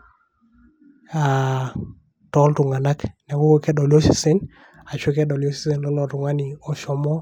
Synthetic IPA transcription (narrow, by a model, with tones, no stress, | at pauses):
a | tɔ˦ltʊ˨ŋa˨na˦kna˨ko˦kkɛ˦dɔ˨lo˦si˨sɛ˦n | a˨t͡ʃe˦kɛ˦dɔ˨ljo˦si̥˦se˨nlɔ˦nɔ˨tʊ˨ŋa˦nɪ˨ɔ˨ʃɔ˨mɔ˦